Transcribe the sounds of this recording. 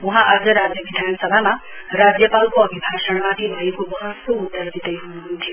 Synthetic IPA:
ũɦãʔad͡zʌɾad͡zjʌbid̪ʱanʌsʌbʱama | rad͡zjʌpalkoʌbʱibʱasʌɽmat̪ʰibʱʌekobʌɦʌt̪ːoud̪ːʌrd̪ʱit̪ʌjɦunuɦunt̪ʰijo

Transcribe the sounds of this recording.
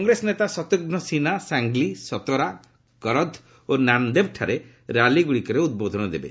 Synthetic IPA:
ŋɡɾesɔnet̪asɔt̪uɡnɔsinasaŋɡlisɔt̪ɔɾa | kɔɾɔd̪ʱ | onand̪eb̚ʈʰaɾe | ɾaliɡuɽikɔɾeud̪̚bod̪ʱɔnɔd̪ebḛ

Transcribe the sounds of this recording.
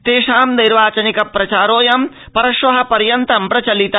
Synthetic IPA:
t̪eːʃaːmniɾʋaːt͡ʃɐnikɐpɾɐt͡ʃaːɾoːjɐm | pɐɾɐʃʋɐɦɐ̆pɐɾjɐnt̪ɐmpɾɐt͡ʃɐlit̪a

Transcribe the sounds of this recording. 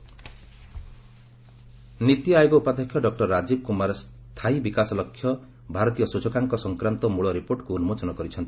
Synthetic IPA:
nit̪jajɔɡɔupad̪ekʰjɔɖɔk̚ʈɔɾːad͡ʒib̚kumaɾs | t̪ʰaibikasɔlɔkʰːjɔ | bʱaɾɔt̪ijɔsud͡ʒɔkaŋkɔsɔŋkɾant̪ɔmuɭɔɾipoɾʈkuːnumod͡ʒɔnɔkɔɾit͡ʃʰɔnt̪i̥

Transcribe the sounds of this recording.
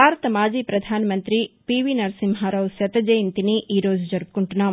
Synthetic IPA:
bʱaːɾɐt̪ɐmaːd͡ʒiːpɾɐd̪ʱaːnɐmɐnt̪ɾipiːʋinɐɾsimɦaːɾɐʋsɐt̪ɐd͡ʒɐjɐnt̪iniʔiːɾoːd͡ʒud͡ʒɐɾp̚kuɳʈunaː

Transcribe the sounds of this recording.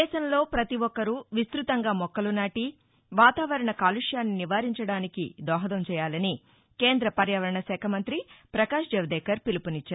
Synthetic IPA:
ɛːʃɐmlo̞ːpɾɐt̪iʋɔkːɐɾuʋist̪ɾut̪ɐŋɡaːmɔkːɐlunaːʈi | ʋaːt̪aːʋɐɾɐɳɐkaːluʂjaːnːiniʋaːɾiɲt͡ʃɐɽaːnikḭd̪ɔːɦɐd̪ɐmt͡ʃɛːjaːlɐni | ke̞ːnd̪ɾɐpɐɾjɐʋɐɾɐɳɐsɛːkʰɐmɐnt̪ɾipɾɐkaːʂd͡ʒɐʋɐd̪ɛːkɐɾpilupunit͡ʃːaːɾu

